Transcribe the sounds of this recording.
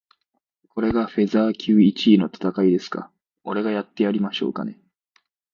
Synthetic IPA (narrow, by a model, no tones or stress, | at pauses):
kʰo̞ɾe̞ɡaɸe̞zaːkʲʰɨːit͡ɕiːno̞t̪ḁt̪akaid̪e̞sɨ̥ka̰ | o̞ɾe̞ɡajat̪ːe̞jaɾʲimaɕo̞̰ːka̰ne̞̰